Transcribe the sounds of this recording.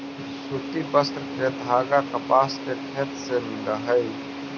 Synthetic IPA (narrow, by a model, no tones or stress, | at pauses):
suʈibəst̪ɾəkʰed̪ʱaːɡakəpaːskekʰeːt̪semɪɖəɦəi